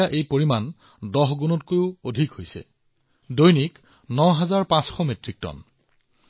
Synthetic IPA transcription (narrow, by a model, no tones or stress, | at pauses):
aʔejpoɹiman | dɔxɡunɔtkojʊodʱikhojsɛ̰ | dojnik | nɔɦazaɹpãsxɔmetɹik̚tɔ̰n